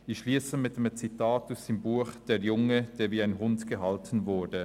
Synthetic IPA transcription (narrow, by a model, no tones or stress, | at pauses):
ɪçʃliːsəmɪt̚d̥emt͡sitaːtasd̥eːmbuːxd̥eːɐjʊŋəd̥eːɐviːaɪnɦʊndɡ̥əɦaltn̩vʊɐdə